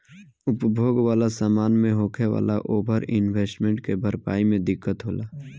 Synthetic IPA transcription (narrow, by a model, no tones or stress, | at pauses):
ʊpbʱjoːɡʋaːlasaːmaːnmẽɦoːkʰeʋa̰ːla̰ʔoːbʱəɾɪnweːsʈmẽɳʈkebʱəɾpa̰ːimẽd̪ɪkːət̪ɦoːlaː